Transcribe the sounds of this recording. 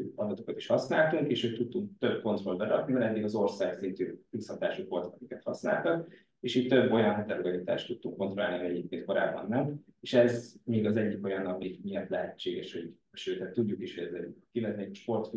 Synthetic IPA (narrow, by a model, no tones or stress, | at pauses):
ɒd̪ɒt̪o̞kɒt̪i̥ʃhɒsnaːlt̪uŋkeːʃøːt̪ːut̪ːuŋk̚t̪øb̚ko̞nt̪roːlbɛɾɒknivɛlɛd̪ːiɡɒzo̞rsaːksint̪yːpishɒt̪aːʃukʋo̞lt̪ɒ̥kɒkikɛt̪hɒsna̰ːlt̪ɒk | eːʃiːtt̪ːø̞bːo̞jɒnɦɛt̪ɛlɛɡɒlit̪a̰ːʃt̪ut̪ːuŋkːo̞nt̪ro̞laːlniɒɟɛɟeːp̚keːnt̪ko̞ɾa̰ːbːɒ̰nːɛmeːʃɛzmiːɡɒzɛɟːiko̞jɒnːɒmiːɡmiɛt̪lɛɦɛt͡ʃːeːɡɛʃho̞ɟ | ʃøːt̪ɛt̪ːuɟːukiʃhoɟɛzɛ̰ɟkilɛt̪ɛɛɟʃpo̞rt̪f